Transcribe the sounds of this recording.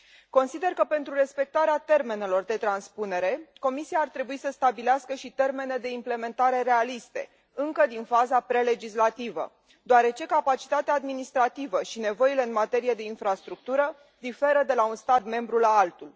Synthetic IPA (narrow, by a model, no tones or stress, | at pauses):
ko̞nsid̪e̞rkəpe̞nt̪ɾuɾe̞spe̞k̚t̪aɾeat̪e̞rme̞ne̞lo̞rd̪e̞t̪ɾanspune̞ɾe̞ko̞misiaːrt̪ɾe̞buisəst̪abileaskəʃit̪e̞rme̞ne̞d̪e̞imple̞me̞nt̪aɾe̞ɾe̞alist̪e̞̰ | ɨŋkəd̪infazapɾe̞le̞d͡ʒislat̪ivə̰ | d̪oaɾe̞t͡ʃe̞kapat͡ʃi̥t̪at̪eaːd̪minist̪ɾat̪ivəʃine̞vo̞ile̞ɨnmat̪e̞ɾijed̪e̞infɾast̪ɾuk̚t̪uɾə | d̪ife̞ɾəd̪e̞launst̪at̪me̞mbɾulaalt̪ul